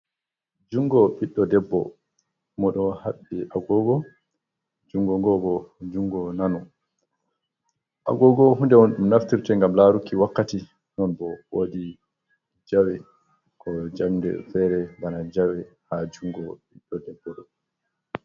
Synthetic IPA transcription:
d͡ʒuŋɡɔɓiɗːɔdɛbːɔ̰ | mɔɗɔhaɗːiʔaɡɔɡɔ | d͡ʒuŋɡɔŋɡɔɡɔd͡ʒuŋɡɔnanɔ | ʔa̰ɡɔɡɔɦundɛmɔnɗumnaftiɾtɛŋɡamlaɾukːiwakːati | nɔnbɔwodi | d͡ʒawɛ | kʰɔd͡ʒamdɛ̰fɛɾɛbanad͡ʒawɛhad͡ʒuŋɡɔɓiɗːɔdɛbːɔɗɔ

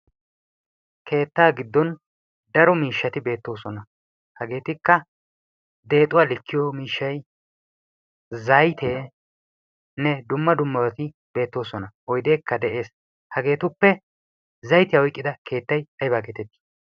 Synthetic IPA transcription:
kʰe̞ːt̪ːaːɡɪd̪ːɔn | d̪ɐɾɔmiːʃːɐt̪ɪbe̞ːt̪ːo̞ːsɔnɐ | hɐɡe̞ːt̪ɪkːɐ | d̪e̞ːt̪ʼʊwaːlɪkːɪjoːmiːʃːɐj | zɐjt̪e̞ː | nɛd̪ʊmːɐd̪ʊmːɐwɐt̪ɪ | be̞ːt̪ːo̞ːsɔnɐɔjd̪e̞ːkːɐd̪ɛʔe̞ːs | hɐɡe̞ːt̪ʊpːɛ | zɐjt̪ɪjaɔjkʼːɪd̪ɐkʰe̞ːt̪ːɐjɐjbaːɡet̪ɛt̪ːi̥

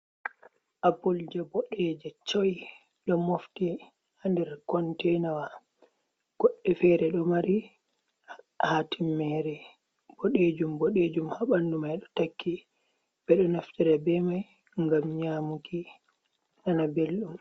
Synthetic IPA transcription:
ʔabuld͡ʒɛbɔɗɛd͡ʒɛt͡ʃoj | ɗɔmofti | handɛɾkɔntɛjnawa | ɡ̥ɔɗːɛfɛɾɛɗɔmaɾi | hatimːɛɾɛ | b̥oɗed͡ʒumbɔɗed͡ʒumhaɓandumajɗɔ̥takːi | b̥ɛɗɔnaftiɾabɛmaj | ŋɡamɲaːmuki | ʔanabelɗum

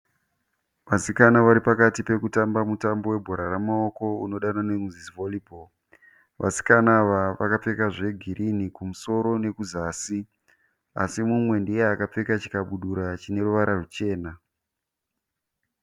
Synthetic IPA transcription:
ʋasikanaʋaɾipakatipe̞kutambamutambo̞we̞bʱoɾaramao̞ko̞uno̞ɗananemuzisvolibʱol | ʋa̰si̥kanaʋaʋakap͡fe̞kaʐe̞ɡʱiɾʔinikumuso̞ɾo̞ne̞kuzaːsi | a̰simumwe̞ndieakap͡fekat͡ʃi̥kaɓuɗuɾat͡ʃine̞ɾuʋaɾarut͡ʃe̞ːna

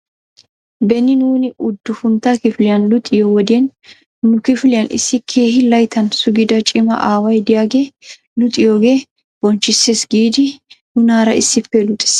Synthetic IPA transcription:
bɛnːɪnuːnɪʔʊd̪ːʊfʊnt̪akɪfɪlɪjɐnlʊt̪ʼːɪjɔwɔd̪ɪɛn | nʊkɪfɪlɪjɐnɪ̰sːɪkʰe̞ːhɪlɐjt̪ʰɐnsʊɡɪd̪ɐt͡ʃʼɪmɐ̰ʔaːwɐjd̪ɪjaːɡe̞ː | lʊt̪ʼɪjoːɡeː | b̥ɔnt͡ʃːɪseːsɡiːd̪ɪnʊnaːɾɐɪsːɪpːɛlʊt̪ʼɛ̥s

